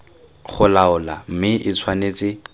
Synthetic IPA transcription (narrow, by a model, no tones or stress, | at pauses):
χʊlaʊlam̩mɪʔɪt͡sʰwaneːt͡sɪ